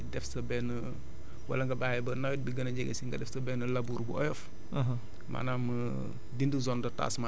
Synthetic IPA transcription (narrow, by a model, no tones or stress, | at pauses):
dɛfsɐbɛnə | wɐ̰lɐŋɡɐbaːjɛbɐnɐwit̚biɡɐnɐɟɛɡɛ̰siŋɡɐdɛfsɐbɛːnəlabuːɾbuɔjɔf | ɦ | mʔa̰naːmə | dindəzɔndɔta̰ːsma